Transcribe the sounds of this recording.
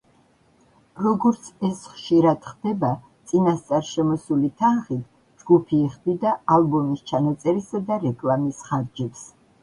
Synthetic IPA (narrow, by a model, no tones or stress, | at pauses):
ɾɔɡɔɾt̪sʰɛsχʃiɾad̪̥χd̪̥ɛba | t̪sʼinast̪sʼaɾʃɛmɔsulit̪ʰanχit̪ʰ | d͡ʒɡupʰiːχd̪id̪aalˠbɔmist͡ʃʰanat̪sʼɛɾisad̪aɾɛkʼlamisχaɾd͡ʒɛps